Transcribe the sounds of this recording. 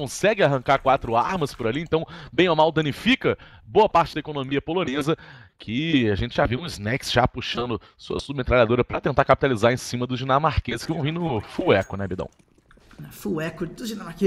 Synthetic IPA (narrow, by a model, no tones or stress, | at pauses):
kõsɛɡɪaɦɐ̃ŋkaɾkwat̪ɾʊaɾmɐspʊɾaliẽnt̪ɐ̃w̃bẽj̃ɔmawd̪ɐ̃nifikɐ | boɐpaɾt͡ʃɪd̪ɐekonõmiɐpolõnezɐkʰɪaʒẽnt͡ʃɪʒaviũiznɛksʒapuʃɐ̃nd̪ʊ | so̰ɐ̰submet̪ɾalad̪oɾɐpɾɐt̪ẽnt̪aɾkapi̥t̪alizaɾẽsĩmɐd̪ʊzd͡ʒinamaɾkezɪskɪvɐ̃w̃vĩnʊfuɛkʊnɛbid̪ɐ̰̃w̃ | ɛfuɛkʊd̪ʊd͡ʒinamake